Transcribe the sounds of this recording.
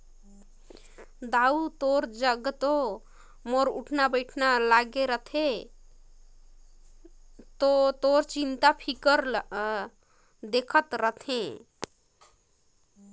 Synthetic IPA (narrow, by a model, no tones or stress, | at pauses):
d̪aut̪oɾd͡ʒəɡt̪o | moɾuʈʰnabəjʈʰnalaɡeɾət̪ʰe | t̪ot̪oɾt͡ʃint̪apʰikəɾ | d̪ekʰət̪ɾət̪ʰẽ